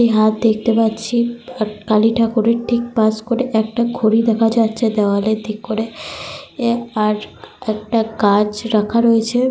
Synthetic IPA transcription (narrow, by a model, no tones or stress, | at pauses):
iɦat̪̚d̪ekʰt̪epatːt͡ɕʰiaɾkaliʈʰakuɾeʈʰik̚paskoɾeʔɛk̚ʈaɡʱoɾid̪ɛkʰad͡ʑatːʃʰed̪ɛʋaled̪ʱikkoɾe | aɾɛkʈakad͡ʑɾakʰaɾoet͡ɕʰe